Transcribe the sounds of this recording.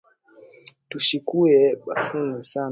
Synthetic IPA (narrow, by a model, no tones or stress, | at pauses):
tuʃikuɛɓafunisa